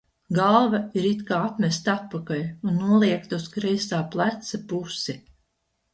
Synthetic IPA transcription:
ɡalˠvaiɾit̪kaːat̪mʲɛst̪at̪̚pakalʲunːuɔlˠiɛkt̪auskɾɛjsaːplˠæt̪sapusi

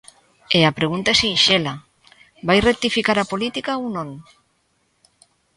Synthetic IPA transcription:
eapɾeɣunt̪aesiinʃela | bajrek̚t̪ifikaɾapolit̪ikaownõŋ

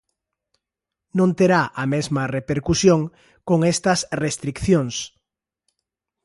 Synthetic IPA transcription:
nõnt̪eɾaʔɐmezmɐrepeɾkusjoŋ | koŋest̪ɐsrest̪ɾikθjoŋs

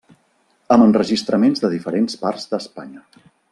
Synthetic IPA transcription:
əmənrəʒist̪ɾəmenzðəðifəɾensparzðəspaɲə

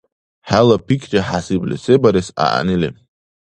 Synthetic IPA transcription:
ħalapʰikʰt͡ʃʼaħasiblḭsebaɾesa̰ʔa̰nili

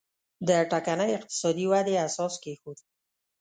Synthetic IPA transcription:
d̪əʈakanəjɪq̚t̪ɪ̥sɑd̪iwad̪easɑskexod̪

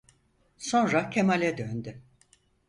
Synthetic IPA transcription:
so̞nɾacʰemalʲɛd̪ønd̪y

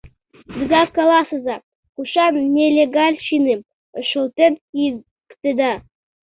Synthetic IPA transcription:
d̪əɡ̪ɑkɑlˠɑsɤ̆zɑ | kuʃɑnnʲelʲeɡɑlʲʃinem | əʃɤ̆lˠt̪enki | kt̪ĕd̪ɑ

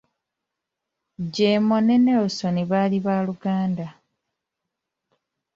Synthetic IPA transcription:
ɟeːmoneneoso̞niβaːliβaːluɡaːnda

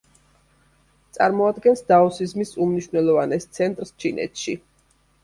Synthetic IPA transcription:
t̪sʼa̰ɾmɔad̪ɡɛnsd̪aɔsizmisumniʃwvnɛlˠɔvanɛst̪sʰɛnt̪ʼɾst͡ʃʰinɛ̰t̪ʰʃi

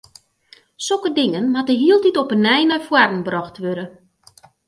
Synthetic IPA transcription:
sokədɪŋənmatəɦiəlˠtitɔpənɛjnarfwardn̩brɔxtʋøɾə

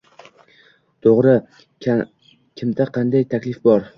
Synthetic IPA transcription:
t̪ʰoʁɾɪ | kʲʰɪmd̪aqʰɑnd̪ajt̪ʰakʲlɪfbɒɾ

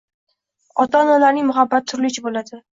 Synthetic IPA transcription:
ɒt̪analaɾnɪŋʲmʊɦabːat̪ʰːʊɾlɪt͡ʃʰabolad̪ɪ

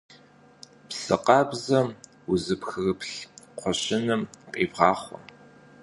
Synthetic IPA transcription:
psɨ̰qʼɑːbzɐ | uzɨpxɨɣɨpɬqʷʰɔɕɪnɨmqʼeːvʁɑːχʷɔ̰

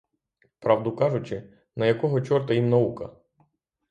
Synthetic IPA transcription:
pɾɑʋd̪ʊkɑʒʊt͡ʃɪ | nɐjɐkɔɦɔt͡ʃɔrt̪ɐjimnɐukɐ̰

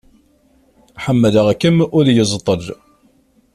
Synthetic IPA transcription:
ħəmːələʁækːəmʊɾjəzˤt̪ˤəl

